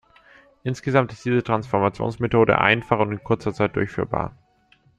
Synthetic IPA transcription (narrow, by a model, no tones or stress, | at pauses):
ʔɪnsɡ̥əzamtɪstd̥iːzətʁ̥ansfɔɐmat͡sjo̰ːnsmetʰoːɾə̰ʔa̰ɪnfaχʊntɪnkʰʊɐt͡sɐt͡saɪt̚d̥ʊɐçfyːɐba̰ːɐ